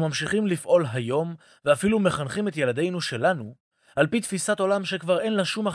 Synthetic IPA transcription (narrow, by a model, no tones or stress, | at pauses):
mamʃiχimlifʔo̞lɦajo̞m | veafilume̞χanχimet̪je̞ladejnuʃe̞lanu | alpit̪fisato̞lamʃe̞kvaʁe̞nlaʃuma